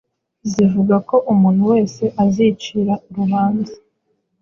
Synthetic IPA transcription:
zivuɡako̞ʔumuːn̥huwe̞ːse̞ʔazit͡ʃiɾauɾuβaːnza

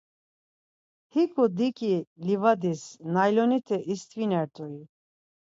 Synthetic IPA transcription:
hikʰud̪ikʼilivad̪isnajlɔnit̪ʰɛʔist̪ʰʼvinɛɾt̪ʼɔi

